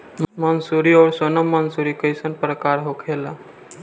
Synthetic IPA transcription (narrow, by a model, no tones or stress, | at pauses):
mmənsuɾiɔːɾsonəmːənsuɾikəjsənpɾəkaɾɦokʰela